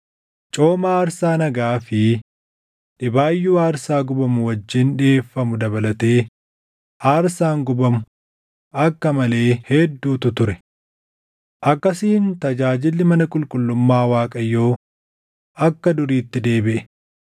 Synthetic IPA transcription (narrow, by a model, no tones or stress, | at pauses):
t͡ʃʼo̞ːmaːɐɾsaːnɐɡaːfɪ | ᶑɪbaːjːuːaːɾsaːɡʊbɐmʊwɐd͡ʒːɪːnᶑɪeːfːɐmʊd̪ɐbɐlɐt̪e̞ː | ʔaːɾsaːŋɡʊbɐmʊ | ʔɐkːɐmɐle̞ːhɛd̪ːuːt̪ʊt̪ʊɾɛ | ʔɐkːɐsiːnt̪ɐd͡ʒaːd͡ʒɪlːɪmɐnɐkʼʊlkʼʊlːʊmːaːwaːkʼɐjːo̞ː | ʔɐkːɐd̪ʊɾiːt̪ːɪd̪e̞ːbɪʔɛ